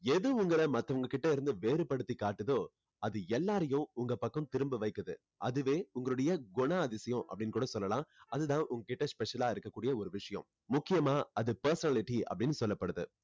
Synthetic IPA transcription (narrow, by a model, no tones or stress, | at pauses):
ɛðɯʊŋɡɐɭɐmɐt̪ːɐʋɐŋɡɐkɪʈːɐɪɾɯnd̪ɯʋeːɾɯpɐɽɯt̪ːikaːʈːɯðoː | ɐðɯɛlːaːɾɐjʊ̃ʊŋɡɐpɐkːɐ̃mt̪ɪɾɯmbɯʋɐɪkːɐðɯ̰ | ʔɐðɯʋeːʊŋɡɐɭɯɽɐjɐɡʊɳaɐðɪsɐjʊ̃ʔɐ̰pːɐɽɪnkuːɽɐsɔlːɐlãːɐðɯt̪ãːʔʊŋɡɐkːɪʈːɐspɛʂɐlaːɪɾɯkːɐkːuːɽɪjɐɔɾɯʋɪʂɐjɐ̰̃m | mʊkːɪjɐmaːɐðɯpɐɾsɐnɐlɪʈiɐ̰pːɐɽɪnːɯsɔlːɐpːɐɽɯðɯ̰